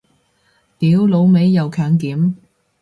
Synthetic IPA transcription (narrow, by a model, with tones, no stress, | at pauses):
t̪iː˨˥wlo˨˧wme˨˥jːɐ˨˧wkʰœː˨˥ŋkiː˨˥m